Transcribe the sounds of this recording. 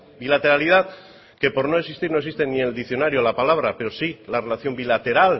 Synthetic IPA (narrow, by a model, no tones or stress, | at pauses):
bilat̪e̞ɾalið̞að | ke̞po̞ɾno̞e̞ksist̪iɾnosist̪e̞nie̞ld̪ikθjo̞naɾjolapalaβ̞ɾape̞ɾo̞silare̞laθjo̞mbilat̪e̞ɾal